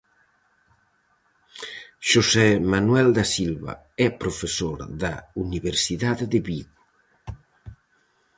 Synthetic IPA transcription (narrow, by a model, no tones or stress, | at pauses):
ʃusɛmanwɛld̪asilβa̰ | ɛpɾofesoɾd̪auniβeɾsiðaðd̪eβiɣu